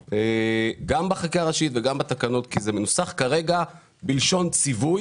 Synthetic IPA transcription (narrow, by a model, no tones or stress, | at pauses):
eɡambaχakiaʁaʃit̪veɡambat̪akano̞t̪kizemenusaχkaʁe̞ɡa | bilʃo̞nt͡sivuj